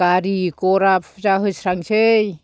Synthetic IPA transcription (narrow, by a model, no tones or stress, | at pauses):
kaɾikoɾapʰzaɦɯsɾaŋsɯj